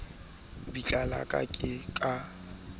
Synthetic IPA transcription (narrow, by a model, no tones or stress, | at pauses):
bit͡ɬʼala̰kʼa̰kʼɪkʼa